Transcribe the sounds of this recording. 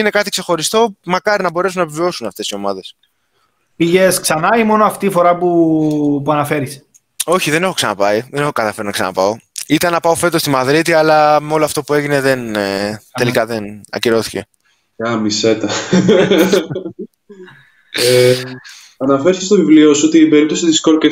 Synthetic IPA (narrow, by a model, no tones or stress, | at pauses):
ine̞kɐt̪ikse̞xo̞ɾist̪o̞mɐkɐɾinɐbo̞ɾe̞sunɐvevio̞sunɐft̪e̞sio̞mɐðe̞s | piʝesksɐnɐimo̞noɐft̪ifo̞ɾɐpupuɐnɐfe̞ɾis | o̞çiðe̞ne̞xo̞ksɐnɐpɐiðene̞xokɐt̪ɐfe̞ɾonɐksɐ̰nɐ̰pɐo̞it̪ɐnːɐpɐofe̞t̪ost̪imɐðɾit̪iɐlɐmeo̞loɐft̪o̞pue̞ʝine̞ðe̞nee̞likɐðenɐ̰ciɾo̞θi̥ce̞̰ | ɐmise̞t̪ɐ | e | ɐnɐfeɾsest̪ovivliosuot̪iːbe̞ɾip̚t̪o̞sit̪iskoɾke